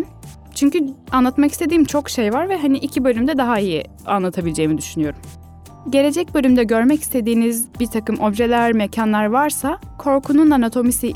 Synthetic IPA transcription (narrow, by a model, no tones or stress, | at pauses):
t͡ʃʰyɲcyanlˠat̪makist̪ʰe̞d̪iːmt͡ʃʰo̞kʃejvaɾvɛɦaniʔicʰibølʲymd̪ɛd̪aɦaijḭ | a̰nlˠat̪ʰabilʲed͡ʒe̞jimid̪yʃynyjo̞ɾum | ɟe̞ɾe̞d͡ʒɛc̚bø̞lʲymd̪ɛɟøɾmɛci̥st̪ʰe̞d̪iːnizbiɾt̪ʰakɯmʔo̞bʒe̞lʲæɾmecʰanlˠaɾvaɾsakʰo̞ɾkʰununanat̪ʰo̞misi